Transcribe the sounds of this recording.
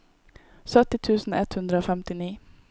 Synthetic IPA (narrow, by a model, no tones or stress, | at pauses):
sœt̪ɪt̪ʰʉːsn̩ɛt̪hʉnd̪ɾəoːfɛmt̪ɪniː